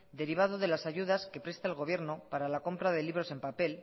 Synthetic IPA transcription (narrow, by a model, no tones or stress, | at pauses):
d̪e̞ɾiβ̞aðoðe̞lasaʝuð̞aske̞pɾe̞st̪aːlɣo̞β̞je̞ɾno̞paɾalako̞mpɾaðe̞liβ̞ɾo̞se̞mpape̞l